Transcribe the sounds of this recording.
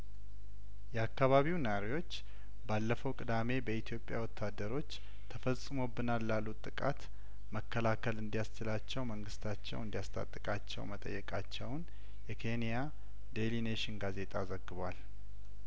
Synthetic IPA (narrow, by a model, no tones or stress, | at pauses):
jɛakːaβaβiwnɾiwo̞t͡ʃː | balːəfəwkʼɨd̪ame̞bəit̪ʰjo̞pʼːja̰wɔt̪ʰːad̪ːəɾo̞t͡ʃː | t̪ʰəfəsʼːɨmo̞bːɨnalːalːut̪ʼɨkʼa̰t̪ | məkʰːəlakʰəlɨnd̪ijast͡ʃɪlat͡ʃːɛwməŋɡɨst̪ʰat͡ʃːɛ̰wɨnd̪ijast̪ʰʼa̰t̪ʼːɨkʼat͡ʃːɛ̰wmət̪ʼə̰jːɛkʼat͡ʃːɛwn | jɛkʰe̞nija | d̪elineʃɪnɡaze̞t̪ʼazəɡːɨβwal